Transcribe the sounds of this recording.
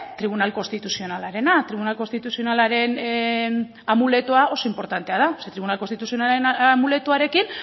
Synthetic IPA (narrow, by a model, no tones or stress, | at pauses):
t̪ɾiβunalko̞nst̪it̪usio̞nalaɾe̞nat̪ɾiβunalko̞nst̪it̪usio̞nalaɾe̞n | amule̞t̪uao̞so̞impo̞ɾt̪ant̪e̞að̞aoset̪ɾiβunalkost̪it̪usio̞nalenamule̞t̪uaɾe̞kin